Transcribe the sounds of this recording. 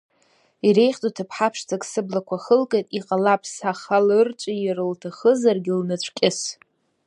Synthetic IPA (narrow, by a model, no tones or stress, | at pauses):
iɾe̞jχt͡sʼotʰapʰħapʰʂt͡sʰakʼsɨblakʷʰaχəlkʼejtʼiqʼalapʰsaχalɨrt͡ʃʷʼijɪrɨltʰaχəzarɡʲɪlnɨt͡ɕʷʰkʲʼɪs